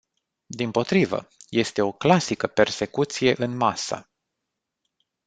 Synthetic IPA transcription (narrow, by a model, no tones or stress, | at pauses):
d̪impo̞t̪ɾivə̰je̞st̪e̞o̞klasikəpe̞rse̞kut̪sije̞ʔɨnmasə̰